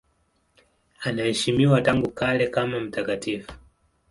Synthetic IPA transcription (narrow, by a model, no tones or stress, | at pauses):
anaɛʃimiwataŋɡukalɛkamam̩takatifu̥